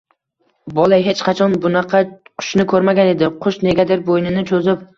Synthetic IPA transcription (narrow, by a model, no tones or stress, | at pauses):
bɒlˠajɦe̞t͡ʃqʰɑt͡ʃʰɒnbʊnɑqʰɑqʰʊ̥ʃnɪkʰɵɾmaɡʲane̞d̪ɪqʰʊʃne̞ɡʲad̪eɾbojnɪnɪt͡ʃʰozɪp̚